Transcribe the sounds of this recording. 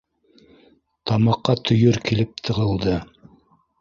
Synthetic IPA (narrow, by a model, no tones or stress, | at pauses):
t̪ɑmɑqːɑt̪ʰɵ̆jɵɾkilɘp̚t̪ʰɤ̆ʁɤ̆lˠd̪ɤ